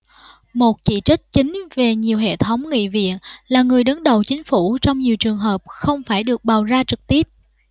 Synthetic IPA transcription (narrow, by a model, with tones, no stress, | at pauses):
mo˨˩t̚t͡ɕḭ˧˩t͡ɕï˦˥k̟̚t͡ɕï˨˦ŋ̟ve˨˩ɲi˨˩əwɦḛ˧˨t̪ʰə˨˦wŋ͡mŋḭ˧˨vḭ˧˨ənlaː˨˩ŋɨ˨˩əjɗə˨˦nɗə˨˩wt͡ɕï˨˦ŋ̟fu˧˩t͡ɕɔ˧wŋ͡mɲi˨˩əwt͡ɕɨ˨˩əŋɦəː˨˩p̚xə˧wŋ͡mfaː˧˩jɗɨ˨˩ək̚ɓaː˨˩wzaː˧t͡ɕɨ˨˩k̚t̪i˦˥əp̚